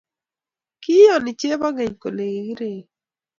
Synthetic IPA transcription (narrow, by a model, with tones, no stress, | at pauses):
kɪ˦jɔ˨nɪ˨t͡ʃe˦ba˦ɡe˨ɲko̰˨le˨i˨ɡi˦ɾe˨